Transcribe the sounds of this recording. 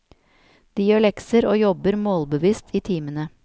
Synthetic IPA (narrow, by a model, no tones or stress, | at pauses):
d̪̥iːjøːɭɛksəɾoːjɔbəɾmoːlbəʋiːst̪ʰiːt̪ʰiːmənə